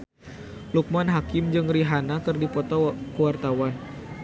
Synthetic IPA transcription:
luk̚manɦakɪmd͡ʒɨŋriɦanakɨrdipɔt̪ɔkəwart̪awan

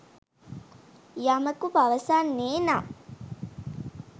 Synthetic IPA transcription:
jaməkupaʋəsaːnːeːna

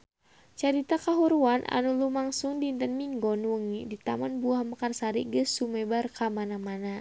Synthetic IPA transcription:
t͡ʃaɾit̪akaɦuɾuanʔa̰nulumaŋsuŋdint̪ənmiŋɡɔnwəŋidit̪amanbuahməkarsaɾḭɡəsumɛbarkamanamana

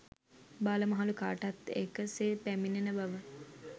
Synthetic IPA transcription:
baːləmɐɦaluka̰ːʈat̪ḛkəseːpæminenəbaʋə

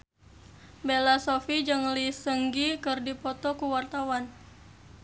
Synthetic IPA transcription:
belasofid͡ʒɨŋlisəŋɡikɨrdipɔt̪ɔkuwart̪awan

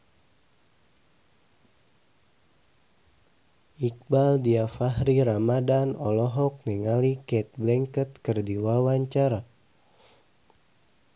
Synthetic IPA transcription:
ik̚baldiafahɾiɾamadanɔlɔɦɔk̚nɛŋalikɛt̪̚blɛŋkət̪kərdiwawaɲt͡ʃaɾa

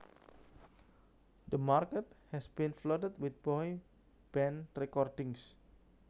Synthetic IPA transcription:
d̪əmarkət̪̚hɛsb̥ĩnflotət̚wɪt̪̚b̥ɔj | b̥ɛ̃nrɛkɔrdɪŋs

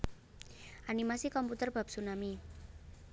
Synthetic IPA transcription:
ʔanimasikɔmput̪ərb̥a̤p̚sunami

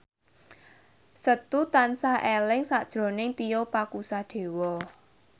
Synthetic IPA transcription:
sət̪ut̪ansahʔelɪŋsad̥ʒ̥ɾo̤nɪŋt̪ijopakusaɖ̪̥e̤wɔ

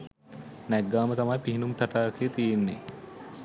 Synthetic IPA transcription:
nɛɡːaːmət̪amajpiɦinumt̪aʈaːkʰəjət̪ijenːḛ

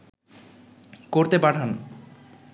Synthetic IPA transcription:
koɾt̪epaʈʰan

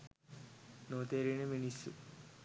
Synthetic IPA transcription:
noːt̪eːɾineminisṵ

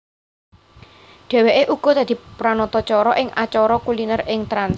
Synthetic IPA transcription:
ɖ̪̥ɛ̤weʔeʔuɡ̥ɔ̤d̪äd̪̥i̤pɾanɔt̪ɔt͡ʃɔɾɔʔɪŋʔa̰t͡ʃɔɾɔkulinərɪŋt̪ɾans

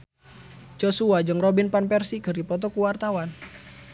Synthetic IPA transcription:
d͡ʒosuad͡ʒɨŋrobinpanpɛrsikɨrdipɔt̪̬ɔkuwart̪awan

